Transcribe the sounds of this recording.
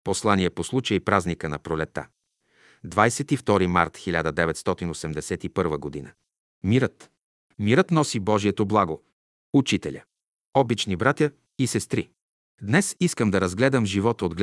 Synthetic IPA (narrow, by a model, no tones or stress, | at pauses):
poslˠaniɛposlˠut͡ʃəipɾaznikənɐpɾolɛt̪ːa̰ | d̪vajsɛt̪ift̪ɔɾima̰ɾt̪xilʲad̪əd̪ɛvɛt̪st̪ɔt̪inosɛmd̪ɛsɛt̪ipɤɾvəɡod̪inə | miɾət̪ | miɾət̪nɔsibɔʒiɛt̪oblˠaɡo | ut͡ʃit̪ɛlʲə | ɔbit͡ʃnibɾat̪ʲjə | isɛst̪ɾi | d̪nɛsiskəmd̪ɐɾɐzɡlɛd̪əmʒivɔt̪od̪ɡl